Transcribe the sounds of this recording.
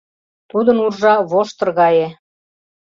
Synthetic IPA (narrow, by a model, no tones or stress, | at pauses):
t̪ud̪ə̆nurʒɑβoʃt̪ɤ̆rɣɑje